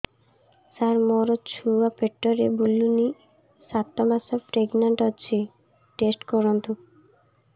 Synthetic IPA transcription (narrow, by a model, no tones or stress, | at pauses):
saɾmɔɾot͡ɕʰuapeʈːoɾebulːuni | sat̪ːɔmasɔfɾeɡnaɳʈɔt͡ɕʰi | ʈesʈkɔɾont̪u